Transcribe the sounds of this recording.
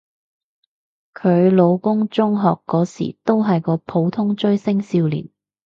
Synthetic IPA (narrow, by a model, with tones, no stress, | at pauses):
kʰɵ˨˧ɥlo˨˧wkʊ˥ŋt͡sʊ˥ŋɦɔː˨kːɔː˨˥sḭː˨˩t̪o˥wɦɐ˨jkɔː˧pʰo˨˧wt̪ʰʊ˥ŋt͡ʃɵ˥ɥsɪ˥ŋsiː˧wlḭː˨˩n